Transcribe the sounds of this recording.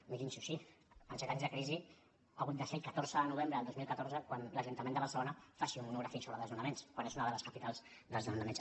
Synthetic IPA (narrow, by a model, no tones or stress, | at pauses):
miɾinsuʃiənsɛt̪aɲzðəkɾizi | aɣut̪̚d̪əsɛkət̪oɾzəðənuβ̞embɾəəlˠd̪ozmilˠkət̪oɾrzəkwanləʒunt̪əmend̪əβərsəlonəfasiummunuɣɾəfisoβɾəðəlzunəmenskwanezunəðələskəpit̪alˠzd̪əlzðəmnəmens